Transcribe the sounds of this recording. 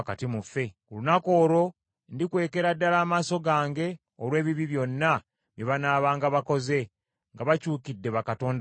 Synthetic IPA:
katimufːe̞kulunako̞ːɾo̞ | ndikwe̞ːke̞ɾadːalaːmaːso̞ɡaːŋɡe̞ | oɾwe̞ːβiβiβjo̞nːa | βjeβanaːβaːŋɡaβako̞ze̞ | ŋɡaβacuːkidːe̞βakato̞ːnd

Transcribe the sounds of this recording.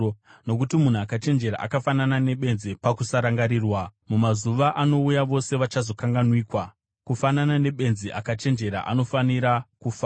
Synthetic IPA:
no̞kutimun̤uakat͡ʃe̞nd͡ʒe̞ɾa̰ʔa̰kafananane̞ɓe̞nzipakusaɾaŋɡaɾiːrwamumazuʋaʔano̞ujaʋo̞se̞ʋat͡ʃazo̞kaŋɡanwiːkwa | kufananane̞ɓe̞nziʔakat͡ʃe̞nd͡ʒe̞ɾa̰ʔa̰no̞faniɾakufa

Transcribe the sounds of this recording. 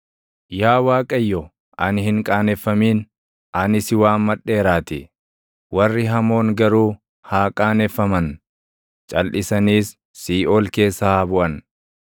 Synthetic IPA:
jaːwaːkʼɐjːɔ | ʔɐnɪhɪŋkʼaːnɛfːɐmiːn | ʔɐnɪsɪwaːnmɐᶑe̞ːɾaːt̪ɪ | wɐrːɪɦɐmo̞ːŋɡɐɾuː | haːkʼaːnɛfːɐmɐn | t͡ʃʼɐlʔɪsɐniːsː | iːʔoːlke̞ːsːɐhaːbʊʔɐn

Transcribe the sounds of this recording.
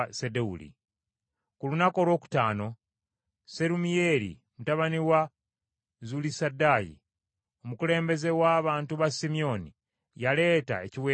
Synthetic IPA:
sedeṵlḭ | kulunako̞ːlwo̞ːku̥taːno̞ | se̞ɾumijeɾḭ | mutaβaniwa | zulisadːaːjḭ | o̞mukule̞ːmbe̞ze̞waːβaːntuβasimio̞ni | jale̞ːta̰eciwe

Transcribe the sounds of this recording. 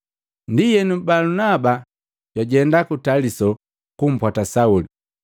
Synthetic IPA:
ndijɛnumbalunaba | ɟ̥waɟɛndakutalisɔ | kum̩pwatasauli

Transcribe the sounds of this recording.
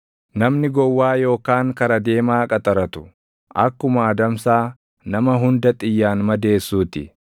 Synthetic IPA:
nɐmnɪɡɔwːaːjo̞ːkaːŋkɐɾɐd̪e̞ːmaːkʼɐt̪ʼɐɾɐt̪ʊ̥ | ʔɐkːʊmɐːd̪ɐmsaː | nɐmɐɦʊnd̪ɐt̪ʼɪjːaːnmɐd̪e̞ːsːuːt̪ɪ

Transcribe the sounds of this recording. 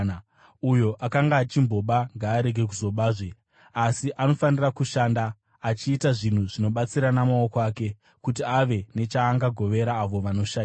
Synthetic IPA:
ujo̞ʔakaŋɡaːt͡ʃimbo̞ɓaŋɡaːɾe̞ɡʱe̞k̬uzo̞ɓaːʐe | asiʔano̞fanirakuʃaːndaː | t͡ʃiːtaʐin̤uʐino̞ɓat͡siɾanamao̞koaːke̞ | kut̬iaʋe̞ne̞t͡ʃaːŋɡaɡʱo̞ʋe̞ɾaːʋo̞ʋano̞ʃaia

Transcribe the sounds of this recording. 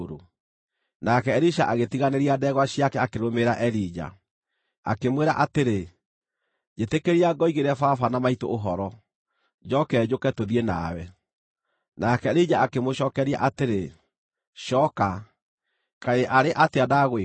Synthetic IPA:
ɾo | nakɛːɾiʃa̰ʔaɣetiɣaneɾiadɛɣwaɕiakɛakeɾomeɾaʔɛɾid͡ʑa̰ | a̰kemweɾaʔateɾe | d͡ʑetekeɾiaɡɔiɣeɾɛfafanamaito̰ːɦɔɾɔ | d͡ʑɔkɛd͡ʑokɛtoðiena̰wɛ | nakɛɾid͡ʑaakemoɕɔːkɛɾia̰ʔateɾe | ʃɔka | kaeʔaɾeʔateadaɣe

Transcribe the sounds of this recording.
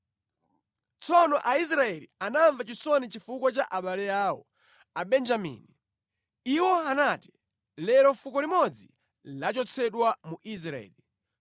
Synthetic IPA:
t͡sɔnɔʔais̬ɾaɛlianaɱvat͡ʃisɔnit͡ʃifukwat͡ʃaʔaɓalɛjaːwɔ | aɓɛnd͡ʒamḭni | iwɔanati | lɛɾɔfukɔlimɔd͡zi | lat͡ʃɔt͡sʰɛɗwamuʔis̬ɾaɛ̰ːli

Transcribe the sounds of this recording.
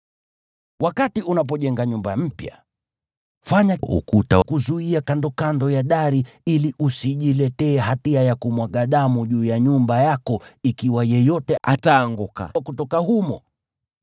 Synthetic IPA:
wakatiʔunap̬ɔʄɛŋɡaɲumbam̩pja̰ | faɲaṵkuta̰kuzuiakandɔkandɔjaɗaɾiiliʔusiʄilɛtɛːɦatiajakumwaɠaɗamuʄuːjaɲumbajakɔikiwajɛjɔtɛa̰taːŋɡuka̰kutɔkahumɔ

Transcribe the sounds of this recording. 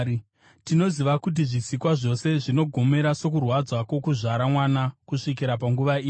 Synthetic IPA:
tino̞ziʋakut̬iʐisikwaʐo̞se̞ʐino̞ɡʱo̞me̞ɾaso̞kurwad͡zwakwo̞kuʐaɾamwanakuʂikiɾapaŋɡuʋaiːi

